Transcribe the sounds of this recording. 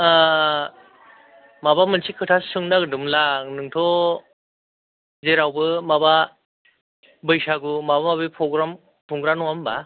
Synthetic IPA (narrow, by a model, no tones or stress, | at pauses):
mabamɯnsʰikʰɯtʰasɯŋnaɡɯdɯmlaknɯŋtʰɔ | zeɾawbɯmaba | bɯjsaɡumabamabipʰɾɔɡɾam | tʰuŋɡɾanɔŋamba